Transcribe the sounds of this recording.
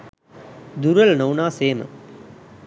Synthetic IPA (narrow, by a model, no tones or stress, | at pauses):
d̪uɾɐlnɐwnaːseːmɐ̰